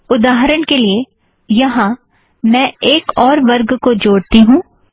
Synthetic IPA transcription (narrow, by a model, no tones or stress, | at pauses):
ʊd̪aːɦɾəɽ̃kelie | jɐɦã | mɛ̃ːeːkɔːɾʋɐɾɡkod͡ʒoːɽt̪iɦũː